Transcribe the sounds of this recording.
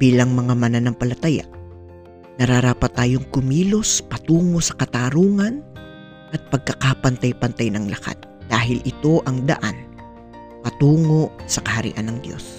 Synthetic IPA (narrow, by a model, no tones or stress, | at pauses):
b̥iːlɐŋmɐŋamɐnanɐŋpɐlɐt̪ɐja̰ʔ | nɐɾaɾaːpɐt̪ːaːjo̞ŋkʊmiːlo̞spɐt̪uːŋo̞ʔsɐ̥kɐt̪aːɾuːŋɐn | ʔɐt̪̚pɐɡ̚kɐkapɐnt̪ajpɐnt̪ajnɐŋlɐka̰t̪̚d̪̥aːɦɪlʔɪt̪o̞ʔɐŋd̪ɐ̰ʔan | pɐt̪uːŋo̞ʔsɐkɐhɐɾɪ̰ʔanːɐŋd̪jo̞̰s